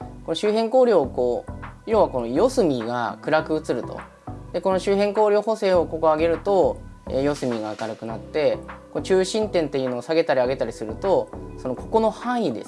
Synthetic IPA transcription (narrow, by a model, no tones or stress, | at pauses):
ko̞noɕɨːɦẽ̞ŋko̞ːɾʲo̞ːkoːjo̞ːβako̞nojo̞sɨmʲiɡa̰kɯ̟ɾakɯ̟ɯt͡sɨɾɯ̟t̪o̞̰ | d̪̥eko̞no̞ɕɨːɦẽ̞ŋko̞ːɾʲo̞ːho̞se̞ːo̞ko̞koaɡe̞ɾɯ̟t̪o̞ḛjo̞sɨmʲiɡaːkaɾɯ̟kɯ̟nat̪ːe̞ko̞not͡ɕɨːɕĩnt̪ẽ̞nt̪e̞jɯ̟no̞ːsaɡe̞t̪aɾʲiaɡe̞t̪aɾʲisɨɾɯ̟t̪o̞so̞no̞ko̞ko̞no̞hãɰ̃id̪e̞s